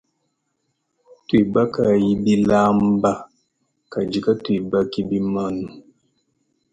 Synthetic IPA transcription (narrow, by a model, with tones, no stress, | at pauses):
twi˨ba˦ka˨ji˦bi˦la˦m˦ba˦ | ka˨d͡ʒi˨ka˦tu˦˨i˨ba˦ki˦bi˦ma˦˨nu˨